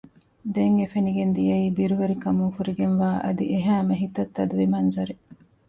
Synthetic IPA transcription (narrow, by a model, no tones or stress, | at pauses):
d̪eŋɡefeniɡend̪ijɐiːbiɾuʋeɾikɐmuŋfuɾiɡenʋaːʔɐ̰d̪iʔeɦæːmɐɦit̪ɐt̪ːɐd̪uʋimɐnd͡ʒɐɾe